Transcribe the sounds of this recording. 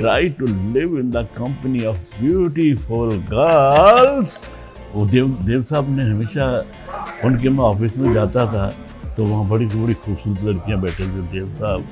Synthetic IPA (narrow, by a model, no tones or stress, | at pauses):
ʈɾa̰ːɪʈulɪʋɪ̃nd̪əkɐ̃mpəniɔfbjuːʈifʊlɡəls | od̪ed̪eːʋsaːbnẽɦɐmeːʃa | ʊnk̬emẽɔːfɪsmẽd͡ʒaːt̪at̪ʰaː | t̪oːʋɐɦãbɐɽisbɐɽixuːbsuːɾət̪lɐɽkijãbɛːʈʰẽt̪ẽd̪eːʋsaːb